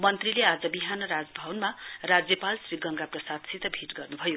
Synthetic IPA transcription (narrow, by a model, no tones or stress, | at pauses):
mʌnt̪rilead͡zʌbiɦanʌɾad͡zbʱʌwnmarad͡zjʌpalsriɡʌŋɡaprʌsad̪sit̪ʌbʱiʈɡʌrnubʱʌjo